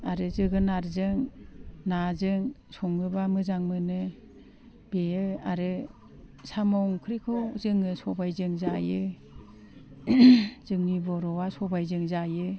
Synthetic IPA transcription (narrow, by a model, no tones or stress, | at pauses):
aɾɯzɯɡɯnaɾzɯŋnazɯŋ | sɔŋɯbamɯzaŋmɯnɯ | b̥ejɯaɾɯ | samɔŋkʰɯɾikʰɯwzɯŋɯsɔbajzɯŋzajɯ | z̥ɯŋnibɔɾɔwasɔbajzɯŋzajɯ